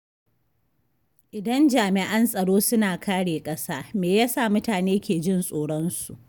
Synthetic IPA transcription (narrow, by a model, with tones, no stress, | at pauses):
ʔɪ˨dɐ˦nd͡ʒaː˨mɪ˨ʔɐ˦nsʼɐ˨ɽoː˦sʊ˦naː˨kʰaː˦ɽeː˨kʼɐ˦saː˦meː˨jaː˦saː˦˨mʊ˦taː˨neː˦kʲʰeː˨d͡ʒɪ˦˨nsʼoː˨ɽɔ˦nsu˨ʔ